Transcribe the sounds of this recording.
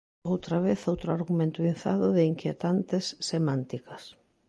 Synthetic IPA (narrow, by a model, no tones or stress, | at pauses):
owt̪ɾɐβeθowt̪ɾʊaɾɣumẽnt̪ʊin̟θa̰ðʊðɪiŋkjet̪ant̪ɪsːemãnt̪ikɐs